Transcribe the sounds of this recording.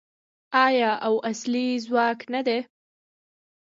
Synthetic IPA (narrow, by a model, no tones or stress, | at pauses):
ɑjɑʔawaslizwɑknad̪e